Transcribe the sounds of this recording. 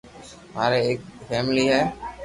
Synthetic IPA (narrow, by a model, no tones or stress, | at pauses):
ma̰ːɾeeːk̚fʰɛːmliːɦɛː